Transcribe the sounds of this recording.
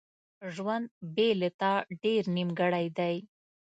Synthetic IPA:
ʒwand̪̚belet̪aɖeɾnimɡəɽajd̪aj

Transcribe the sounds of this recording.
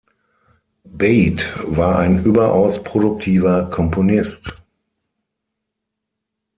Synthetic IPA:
beɪtvaːɐʔaɪnʔyːbɐʔaʊspʁ̥odʊk̚tʰiːvɐkʰɔmponɪst

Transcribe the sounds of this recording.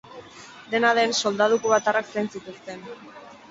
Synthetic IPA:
d̪e̞naðe̞nso̞ld̪að̞ukuβat̪araksejnsit̪ust̪e̞n

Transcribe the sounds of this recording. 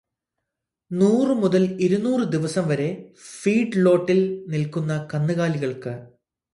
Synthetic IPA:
nuːrɨmuðɐliɾunuːrɨd̪iʋɐsɐmʋɐɾe̞fiːɖɭo̞ːʈːilnilkunːɐkɐnːɨɣaːliɣɐɭkɨ

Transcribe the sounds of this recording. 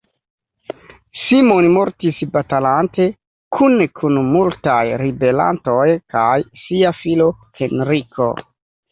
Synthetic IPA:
simo̞nimo̞ɾtisbatalante̞ | kʰunkʰunmultajɾibe̞la̰nto̞jkajsiafilo̞ | henɾikʰo̞̰

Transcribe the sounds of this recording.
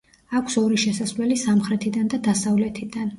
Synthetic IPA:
akʷʰsɔɾiʃɛsasvlɛlisamχɾɛt̪ʰid̪and̪ad̪asavlɛt̪ʰid̪an

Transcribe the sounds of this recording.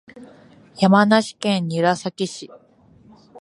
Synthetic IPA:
jamanaɕi̥kẽɲ̟ɲiɾasakʲiɕi

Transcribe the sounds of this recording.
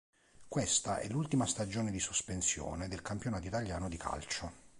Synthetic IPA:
kwest̪aʔɛ̰lːult̪imast̪ad͡ʒoːned̪isospensjɔ̰ːned̪elkampjonaːt̪oit̪aljaːnod̪ikʰa̰lt͡ʃo

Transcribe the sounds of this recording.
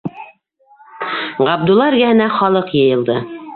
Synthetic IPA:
ʁɑbd̪ulˠːɑɾɡæɦɘ̆næχɑlˠɤqjɤ̆jɤ̆lˠd̪ɤ

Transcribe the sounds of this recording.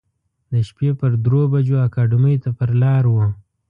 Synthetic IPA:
d̪əʃpepəɾd̪ɾobad͡ʒoakɑɖɪmijt̪apəɾlɑɾwə

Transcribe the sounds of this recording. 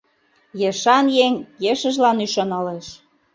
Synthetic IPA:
jeʃɑnjeŋjeʃə̆ʒlɑnyʃɑnɑleʃ

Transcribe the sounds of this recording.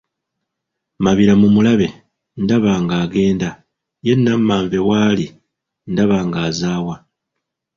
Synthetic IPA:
maβiɾamumulaβe̞ | ndaβaːŋɡaːɡe̞ːnda | je̞nːamːaːɱve̞waːli | ndaβaːŋɡaːzaːwa

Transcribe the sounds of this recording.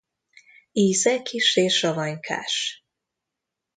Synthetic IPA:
iːzɛkʰiʃeːʃɒvɒɲkʰa̰ːʃ

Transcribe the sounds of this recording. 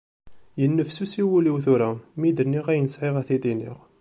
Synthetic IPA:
jənːəfsusiwuliwθuɾæmid̪əɾniʁæjənəsʕɪʁæθit̪inḭʁ

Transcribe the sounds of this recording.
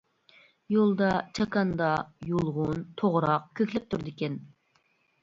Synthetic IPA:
jolˠd̪ɑt͡ʃʰɑkɑnd̪ɑjolˠʁʊnt̪ʰoʁɾɑq̚kʲʰøkʲlɛp̚t̪ʰuɾd̪ɪkʲɛn

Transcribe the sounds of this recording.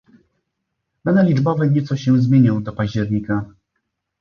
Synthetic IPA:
b̪and̪ɛlʲid͡ʐbɔvɛɲɛt̪sɔɕɛ̃zmʲjeɲɔ̃w̃d̪ɔpaʑd͡ʑɛɾɲika

